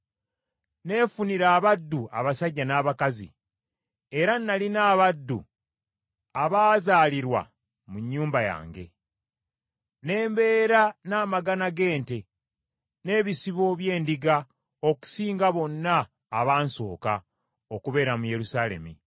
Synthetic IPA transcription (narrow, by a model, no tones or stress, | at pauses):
ne̞ːfuniɾaːβadːua̰βasaɟːanaːβakazḭ | eɾanːalinaːβadːṵ | aβaːzaːliɾwa̰ | muɲːuːmbaja̰ːŋɡe̞̰ | ne̞ːmbe̞ːɾanaːmaɡanaɡe̞ːnte̞ | ne̞ːβisiβo̞βje̞ːndiɡa | o̞ku̥siːŋɡaβo̞nːaː | βaːnso̰ːka̰ | o̞kuβe̞ːɾamuje̞ɾusaːle̞̰mḭ